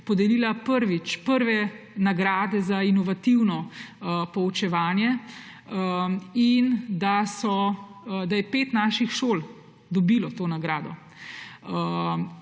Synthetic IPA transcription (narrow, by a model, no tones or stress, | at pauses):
pɔd̪ɛliːlapəɾʋit͡ʃpəɾʋɛ | naɡɾaːd̪ɛzainɔʋat̪iwnɔ | pɔut͡ʃɛʋaːnjɛ | ind̪asɔd̪ajɛpeːt̪naːʃixʃoːl | d̪ɔbiːlɔt̪oːnaɡɾaːd̪ɔ̰